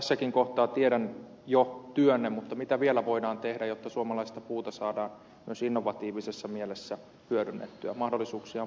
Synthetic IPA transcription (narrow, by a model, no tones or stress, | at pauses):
æsːækiŋkoht̪ɑːt̪ieɾæn | jot̪yønːemmut̪ːɑmit̪æʋielæʋoidɑːnt̪ehdæjot̪ːɑsuomɑlɑist̪ɑpuːt̪ɑsɑːdɑːn | myøsinːoʋɑt̪iːʋisesːɑmielesːæ | hyøɾynːḛt̪ːyæ̰mɑhdolːˑisuːksiɑ